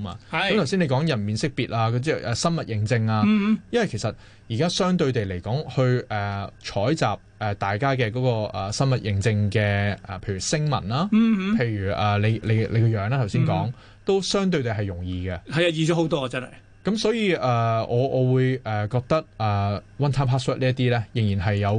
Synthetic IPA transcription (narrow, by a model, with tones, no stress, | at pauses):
ma̰ː˧˨˦t̪ʰwsi˥nle˨˧jkɔː˨˥ŋjɐ˨˩nmiː˨˩nsɪ˥k̚piː˨t̚ʔaː˧kt͡sɛː˥˧ɛː˨sɐ˥nmɐ˨t̚jɪ˨˧ŋt͡sɪ˧ŋaː˧jɐ˥nwɐ˨jkʰe˨˩jsɐ˨t̚ | jiː˨˩kaː˥sœː˥ŋt̪ɵ˧ɥt̪e˨jle˨˩jkɔː˨˥ŋhɵ˧ɥʔɛː˨˩t͡ʃʰɔː˨˥jt͡saː˨p̚ɛː˨t̪aː˨jkaː˥kɛ˧kɔː˨˥kɔː˧ɛ˨˩sɐ˥nmɐ˨t̚jɪ˧ŋt͡sɪ˧ŋkɛː˧ɛ˨pʰe˧jɥyː˨˩sɪ˥ŋmɐ̰˨˩nlaː˥pʰe˧jɥyː˨˩ʔɐː˨le˨˧jle˨˧jle˨˧jkɔ˧jœː˨˧ŋnaː˥t̪ʰwsi˥nkɔː˨˥ŋ | t̪o˥wsœː˥ŋt̪̬ɵ˧ɥt̪e˨jɦɐ˨jʊ˨˩ŋjiː˨˧ɡɐ˧hɐ˨ja˧jiː˨˩t͡ʃɔ˨˥ho˨˥wt̪ɔː˥ɐ˨˧t͡saː˥nhɐ̰˨˩j | kɐ˨˥msɔː˨˥jiː˧ʔɛː˨ɔː˨˧ʔɔː˨˧wuː˨˧jʔɛ˨kɔː˧k̚t̪ɐ˥k̚ʔɛː˨˩wɐ˥nt̪ʰaː˥pʰaː˥swœː˥t̚liː˥ɐ˥t̪iː˥lɛː˥jɪ˨˩ŋjiː˨˩nɐ˨jːɐ˨˧w